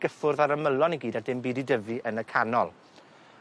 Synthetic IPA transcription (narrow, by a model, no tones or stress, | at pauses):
ɡ̥əfʊrðaɾəməlˠɔniɡiːdadɪmbiːdidəvɨʔənəkʰanɔlˠ